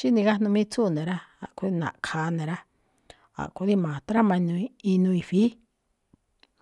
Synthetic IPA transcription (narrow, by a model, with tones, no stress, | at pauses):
ʃi˦nĩ˧ɣa˦nũ˧mĩ˦t͡su˦˨nẽ˨ɾa˦a̰˨ʔku˧ði˦˧nã̰˨kʰaː˨˧nẽ˨ɾa˦ | a̰˨ʔku˧ði˦mãː˨t̪ɾa˦mã˧nũ˧i˧nũ˧i˧fi˦